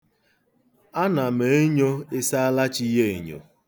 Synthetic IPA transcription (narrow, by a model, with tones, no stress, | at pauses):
a˦na˨me˨˦e˦ɲo˦e˦sa˦a˦la˦t͡ʃi˦ɦe˦e˨ɲo̰˨